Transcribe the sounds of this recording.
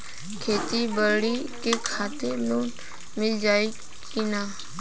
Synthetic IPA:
kʰeːt̪ibəɾɽi | kekʰaːt̪eluːn | mɪld͡ʒaːe | kinaː

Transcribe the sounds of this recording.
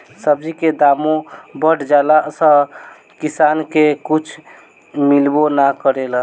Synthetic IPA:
səbd͡ʒiked̪aːmõbəʈʰd͡ʒaːlasə | kisaːnkekut͡ʃʰ | milbonakəɾela

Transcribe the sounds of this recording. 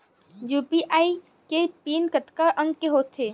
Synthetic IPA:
juːpiʔaːi | kepiːnkət̪kaʔə̃ŋɡkeɦoːt̪ʰːeː

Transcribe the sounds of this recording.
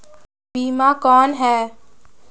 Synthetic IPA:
biːmakɔːnɦɛː

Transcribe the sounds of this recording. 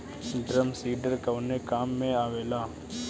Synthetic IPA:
ɖɾəmsiːɖəɾkəʋnekaːmːẽaːʋeːlaː

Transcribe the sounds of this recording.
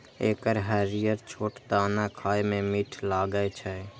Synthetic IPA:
eːkəɾɦɛɾijəɾt͡ʃʰoːʈd̪aːnakʰaːjmẽmiʈʰlaɡət͡ʃʰɛ

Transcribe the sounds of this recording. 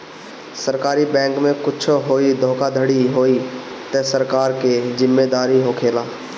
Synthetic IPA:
səɾkaːɾibɛ̃ːŋkmẽkʊt͡ʃʰɦoːid̪ʱoːkad̪ʱəɽiɦoːi | t̪ɛːsəɾkaːɾkezɪmːeːd̪aːɾiɦoːkʰeːlaː

